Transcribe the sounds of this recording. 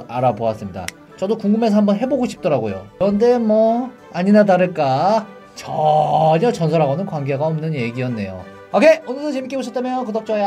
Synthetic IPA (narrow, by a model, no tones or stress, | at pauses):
aɾaboas͈ɯmɲida̰ | t͡ɕʌdokuŋɡɯme̞sʰʌhambʌnɦe̞boɡoɕʰi̥p̚t͈ʌɾaɡojo̰kɯɾʌnde̞mwʌ | aɲinadaɾɯɭk͈a | t͡ɕʌɾʌt͡ɕʌnsʰʌɾɦaɡonɯnkwaŋɡeɡaʌmnɯnje̞ɡijʌnːe̞jo̰ | ʌkʰe̞onɯɭdɯt͡ɕemik͈eboɕʰʌtʰamjokɯdʌk̚t͡ɕ͈oja